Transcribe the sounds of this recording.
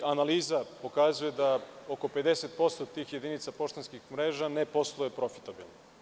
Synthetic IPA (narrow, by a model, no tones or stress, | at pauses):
analiːzapo̞kazujed̪aoko̞pe̞d̪e̞set̪̚po̞st̪ot̪iːxje̞d̪init̪sapo̞ʃt̪enskixmɾeːʒanepo̞slˠojepɾo̞fi̥t̪abḭlno